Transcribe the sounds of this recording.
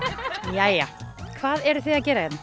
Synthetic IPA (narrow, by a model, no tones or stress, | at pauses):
jajakʰvaːðɛɾʏθeacɛːɾajɛn